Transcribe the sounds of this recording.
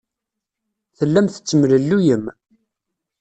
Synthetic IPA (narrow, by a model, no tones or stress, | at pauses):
θəlːæmθə̥t͡sːəmləlːujəm